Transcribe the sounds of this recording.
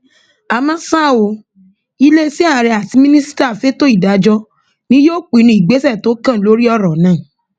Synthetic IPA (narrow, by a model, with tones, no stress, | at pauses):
a˨˧mã˦sa˦˨wo˧˦ | i˦le˦si˦a˦˨ɾe˧a˨ti˧mĩ˦nĩ˦si̥˦ta˦˨fe˦to˦i˦˨da˨˦d͡ʒɔ˧˦ | nĩ˦joː˦k͡pi˨˦nũ˧˦i˨ɡ͡be˨˦sɛ˦˨to˨˦kã˦˨lo˦ɾi˦ɔ˦˨ɾɔ̃˨˦nãː˨˦˨